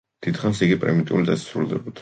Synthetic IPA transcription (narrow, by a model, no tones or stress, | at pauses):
d̪̥it̪χansiɡipʼɾɛ̰mit̪ʼiulid̪asḁsɾulˠd̪ɛbɔt̪ʰ